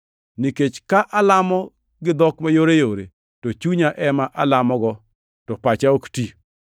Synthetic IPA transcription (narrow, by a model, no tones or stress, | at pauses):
niket͡ʃkaʔalamɔ | ɡɪd̪ɔkmajoɾejoɾḛ | tot͡ʃuɲaʔɛmaʔalamɔɡɔ | tɔpat͡ʃaokti